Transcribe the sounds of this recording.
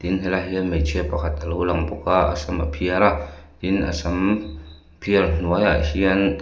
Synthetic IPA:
t̪inkelaɦiəmet͡ʃʰepakʰat̪alulaŋpokaa̰samapʰiaɾat̪ina̰sam | pʰialn̥uajahian

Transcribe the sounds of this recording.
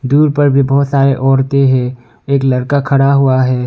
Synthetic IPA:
d̪uːɾpɐɾbʱibɔɦːt̪saːɾeʔɔːɾt̪eɦɛ̃ː | eːklɐɾkakʰɐɽaɦuaɦɛː

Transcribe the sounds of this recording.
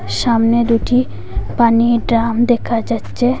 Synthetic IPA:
ʃamned̪uʈi | paniɖɾamd̪ekʰad͡ʑatːɕʰe

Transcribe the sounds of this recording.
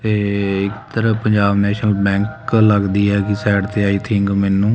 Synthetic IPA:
t̪eːɪkt̪əɾəpəɲd͡ʒaːbnɛːʃnəlbɛ̃ːŋkləɡd̪iːɛːkɪsɛːɖt̪eːaːiːt̪ʰɪŋɡmɛːnũː

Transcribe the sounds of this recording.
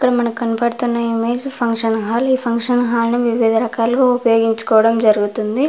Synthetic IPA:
kːɐɽɐmɐnɐmkɐnpɐɽut̪unːɐimeːd͡ʒpʰɐŋkʂɐnɦaːliːpʰɐŋkʂɐnɦaːlɐnuʋiʋid̪ʱɐɾɐkaːlɐɡoːupɐjo̞ːɡiɲt͡ʃu̥kɔːʋɐɽɐmd͡ʒɐɾuɡut̪und̪i

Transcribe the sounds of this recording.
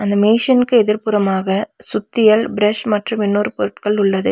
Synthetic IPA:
ɐnd̪ɐmeːʂɐnɯkːɯɛðɪɾpʊɾɐmaːɣɐsʊt̪ːɪjɐɭbɪɾɐʂmɐʈrɯmɪnːoːɾɯpɔɾɯʈkɐɭʊɭːɐðɯ

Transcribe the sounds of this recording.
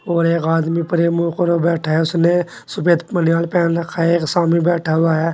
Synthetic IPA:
oːɾeːkaːd̪mipəɾemuːkəɾobɛːʈʰaɦɛʊsne | sʊpeːt̪mənjaːlpɛːnɾɐkʰːaeːksaːmibɛːʈʰaɦʊaɦɛː

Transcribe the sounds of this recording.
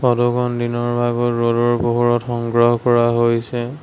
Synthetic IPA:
pɔdɔɡɔndinɔɹbʱaɡɔtɹodɔɹboɦuɹɔtxɔŋɡɹɔɦɔkɔɹaɦojsɛ

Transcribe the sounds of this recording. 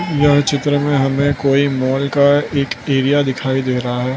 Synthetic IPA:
jɐɦt͡ʃɪt̪ɾəmẽɦɐmẽkoːimɔːlkaeːkeːɾijad̪ɪkʰaːid̪eːɾɐɦaɦɛː

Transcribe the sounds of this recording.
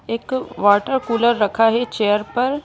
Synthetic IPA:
eːkʋaːɾʈəɾkuːləɾːɐkʰaɦɛt͡ʃeːjəɾpɐɾ

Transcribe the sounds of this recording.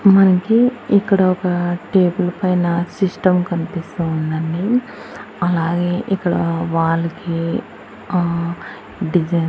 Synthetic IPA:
mɐnɐkiikːɐɽɐɔkɐʈeːbɐlpɐjnɐsisʈɐmkɐnipist̪ɐunːɐnːi | ɐlaːɡe̞ːʔikːɐɽɐʋaːɭːɐki | ɖid͡ʒɐ

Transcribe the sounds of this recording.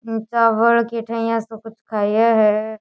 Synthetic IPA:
t͡ʃaːʋəɭkeʈʰə̃jãsokʊt͡ʃʰkʰaːijaɦɛ

